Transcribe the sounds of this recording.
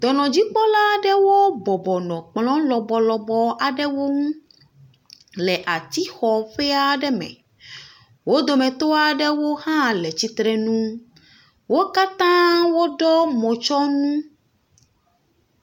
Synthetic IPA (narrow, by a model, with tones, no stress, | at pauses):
d̪ɔ˨nɔ̃˨d͡ʑi˦k͡pɔ˦la˦ɖɛ˦wo˦bɔ˨bɔ˨nɔ̃˨k͡plɔ̃˦lɔ˨bɔ˨lɔ˨bɔ˦ʔa˨ɖɛ˦wo˦ŋũ˦ | lɛ˨ʔa˨t̪i˦xɔ˨ɸɛ˦a˦ɖɛ˦mɛ̰̃˨ | wo˦d̪o˨mɛ̃˨t̪o˦a˨ɖɛ˦wo˦hã˦lɛ˨t͡ɕi˦t̪ɾɛ˦nũ˦ | wo˦ka˦t̪ã˦wo˦ɖɔ˦mɔ̃˨t͡ʃɔ˦nũ˦